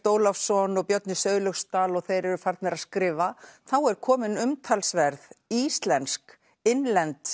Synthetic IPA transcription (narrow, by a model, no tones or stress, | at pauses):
t̪oːwlafsɔnɔɣpjœt̪nɪsœːɥɣlœxst̪aːlɔɣθejɾɛɾʏfaɾt̪nɛɾaðskɾɪːvaθawɛɾ̥kʰɔːmɪnʏmt̪ʰalsvɛɾðist̪lɛnsk | ɪnlɛnt̪